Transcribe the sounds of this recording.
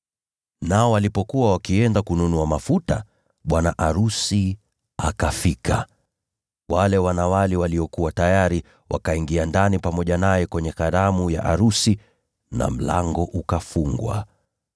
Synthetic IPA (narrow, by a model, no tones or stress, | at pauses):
naɔwalipɔkuwawakiɛndakununuamafuta̰ | ɓwanaʔaɾusi | akafikʰa | walɛwanawalɛwaliɔkuwatajaɾi | wa̰kaiŋɡiandanipamɔʄanajɛkwɛɲɛkaɾamuja̰ʔaɾusi | na̰m̩la̰ŋɡɔʔukafuŋɡwa̰